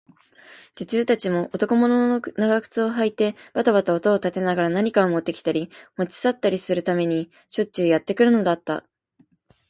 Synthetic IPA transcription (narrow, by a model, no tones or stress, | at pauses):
d͡ʑɨt͡ɕɨːt̪at͡ɕimo̞ʔot̪o̞ko̞mo̞nonaɡakɯ̟̥t͡sɨo̞ɦait̪e̞b̥at̪aβat̪ao̞t̪o̞ːt̪at̪e̞naɡaɾanaɲ̟ikaomo̞t̪ːe̞kʲi̥t̪aɾʲimo̞t͡ɕi̥sat̪ːaɾʲisɨɾɯ̟t̪ame̞ɲ̟i | ɕo̞t͡ɕɨːjat̪ːe̞kɯ̟ɾɯ̟no̞d̪at̪ːa̰